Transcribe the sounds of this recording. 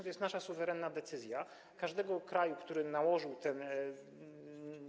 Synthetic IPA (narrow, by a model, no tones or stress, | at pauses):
t̪ɔjɛst̪naʂasuvɛɾɛnːad̪ɛt̪sɘzʲja | kaʐd̪ɛɡɔkɾajukt̪uɾɘnawɔʐɘwt̪ɛn